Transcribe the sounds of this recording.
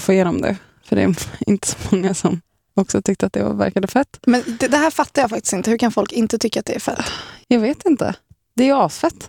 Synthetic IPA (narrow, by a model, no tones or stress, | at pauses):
foːɪjeːnɔmd̪ɛ̰ | fœɖɛ̰ːɾɪ̰nt̪ə̥sɔ̥mɔŋːasɔm | ɔksɔt̪ʰʏk̚t̪əɾat̪̚d̪ɛva̰ɾvæ̰ɾkad̪əfɛt̪ːmɛnd̪ɛd̪ɛɦæːɾfat̪ːaɾjɑːfak̚t̪ɪ̥st̪ɪnt̪əhɵɾkʰanfɔlkɪnt̪ət̪ʰʏkːat̪̚d̪ɛæɾfɛ̰t̪ːjɑːɡveːt̪ɪnt̪ə̰ | d̪̥ɛæjɑːsfɛt̪ː